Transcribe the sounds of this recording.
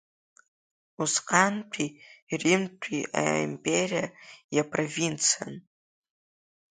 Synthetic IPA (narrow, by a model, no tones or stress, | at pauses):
usqʼantʰiːrimtʷʼʰia̰ḭmpʼerijajapʰrovint͡sʰan